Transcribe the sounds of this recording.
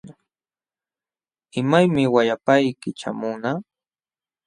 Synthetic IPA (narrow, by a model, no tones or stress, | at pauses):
ɪmajmɪwajapajkɪt͡ʃa̰mʊna